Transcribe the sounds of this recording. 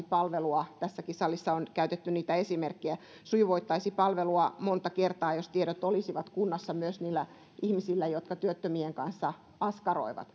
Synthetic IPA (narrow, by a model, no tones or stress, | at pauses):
pɑlʋeluɑt̪æsːækisɑlisːɑonkæyt̪et̪ːyniːt̪æesimerkːiæ | suijʋoit̪ːɑisipɑlʋeluɑmont̪ɑkert̪ɑːjost̪ieɾøt̪olisiʋɑt̪kunːɑsːɑmyøsniːlːæ | ʔihmisilːæjot̪kɑt̪yøt̪ːømieŋkɑnsːɑ | ɑskɑro̰iʋɑ̰t̪